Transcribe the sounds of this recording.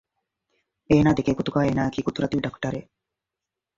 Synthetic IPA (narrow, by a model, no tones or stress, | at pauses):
eːnaːd̪ekeːkut̪uɡaːeːnaːɐkiːkut̪uɾɐt̪iʋɖɐkʈɐɾeː